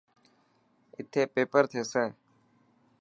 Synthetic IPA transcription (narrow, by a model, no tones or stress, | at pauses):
ɪt̪ʰːeːpeːpəɾt̪ʰeːsẽː